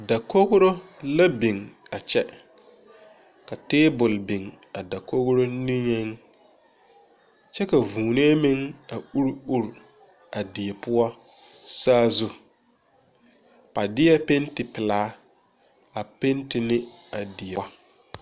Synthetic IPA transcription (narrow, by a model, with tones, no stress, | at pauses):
a˨da˨ko˦ɣʊ˦ɾo˦la˦bi˨ŋa˨t͡ʃɛ˦ | ka˨teː˦bʊ˨lbi˨ŋ | a˨da˨ko˦ɣɾo˦nĩ˦ɲɛ˦ŋ | t͡ʃɛ˦ka˨vuː˨ne˦mɪ˦ŋa˨u˦ɾu˦ɾ | a˨dɪ˨jɛ˨pʊ˦ɔ˦ | saː˦zu˦ | pa˨dɪ˦ɛ˦pe˦ntɪ˨pɪ˨laː˦ | a˨pe˦ntɪ˨nɪ˦ | a˨dɪ˨ɛ˨˦